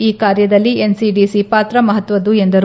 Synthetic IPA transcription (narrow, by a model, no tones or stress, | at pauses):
iːkaːɾjɐd̪ɐlːiensiɖiːsipaːt̪ɾɐmɐɦɐt̪ʋɐd̪uend̪ɐɾ